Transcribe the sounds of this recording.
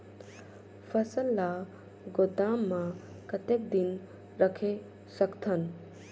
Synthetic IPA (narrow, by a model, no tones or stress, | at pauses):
pʰəsəlːa | ɡot̪amːa | kət̪ek̚d̪in | ɾəkʰe | səkt̪ʰən